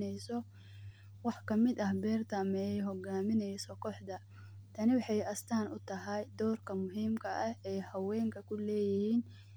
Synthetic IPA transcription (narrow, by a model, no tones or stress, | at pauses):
ɛjsɔ | wɑħkʰɐmɪd̪ɐɦbɛːrt̪ʰɐmɛjɛjɦɔɡaːmɪnɛjsɔkʰɔħd̪ɐ | t̪ʰɐnɪwɑħɑjɐst̪ʰaːnʊt̪ʰɐɦɐjd̪ɔːrkʰɐmʊɦiːmkʰɐʔɐhɛjhɐwɛːŋkʰɐkʰʊlɛːjɪhiːn